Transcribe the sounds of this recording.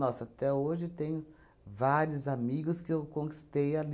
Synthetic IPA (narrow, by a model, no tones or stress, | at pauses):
nɔsat̪ɛoʒɪt̪ẽɲʊ | vaɾjʊzamiɡʊskɪewkõŋki̥st̪ejal